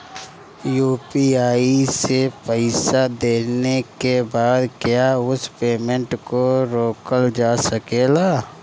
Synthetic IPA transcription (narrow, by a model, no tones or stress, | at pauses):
juːpiaːisepəɪsad̪eːnekebaːd̪kjaʊspeːmə̃ɳʈkoɾoːkəld͡ʒaːsəkeːlaː